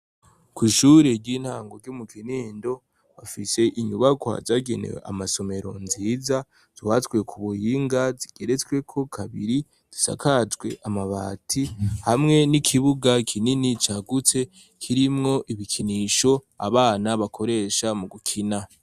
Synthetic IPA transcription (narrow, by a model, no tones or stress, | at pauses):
kwiːʃuːɾeɾɟiːn̥haːŋɡo̞ɾɟumukʰiniːndo̞ | βafise̞ʔiɲuβaɡwa̰zaɡḛnḛwḛa̰maso̞me̞ɾo̞nziːza | z̥iwatɡwe̞kʰuβujiːŋɡaziɡ̥e̞ɾe̞t͡sɡwe̞kʰo̞kʰaβḭɾi | z̥i̥sa̰kʰazweʔamaβa̰ːtʰihamŋe̞nikʰiβuɡakʰininit͡ʃaɡut͡se̞ | kʰiɾimŋo̞ʔiβikʰiniʃo̞ | a̰βaːnaβakʰo̞ɾe̞ʃamuɡukʰina